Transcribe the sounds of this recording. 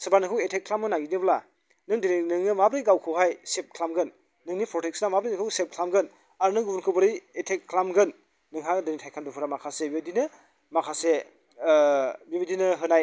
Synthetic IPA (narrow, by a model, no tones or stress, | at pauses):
sɯbaɾnɯkʰɯwetʰekʰːlamɯnaɡidebla | nɯŋdininɯŋnɯmabɾijɡawkʰɯwɦajsep̚kʰlamɡɯnː | ɯŋnipʰɾɔtʰek̚snamabɾijnɯkʰɯwsep̚kʰlamɡɯn | aɾnɯŋɡubunkʰɯwbɯɾijetʰek̚ʰːlamɡɯnː | ɯŋɦadɯnitʰajkʰandupʰuɾamakʰasebibidinɯ | makʰase | bibidinɯɦɯnaj